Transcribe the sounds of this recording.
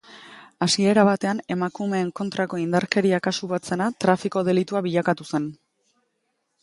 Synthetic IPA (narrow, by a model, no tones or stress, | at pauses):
asie̞ɾaβat̪e̞ane̞makume̞ːŋko̞nt̪ɾako̞ind̪aɾke̞ɾiakasuβat͡se̞nat̪ɾafiko̞ðe̞lit̪uaβiʎakat̪use̞n